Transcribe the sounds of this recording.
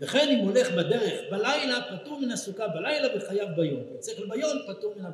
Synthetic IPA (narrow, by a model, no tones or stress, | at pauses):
laχe̞nimole̞χbad̪e̞ʁeχbalajlapatuʁminasukabalajlaveχajavbajo̞misekelbajo̞mpatuʁmina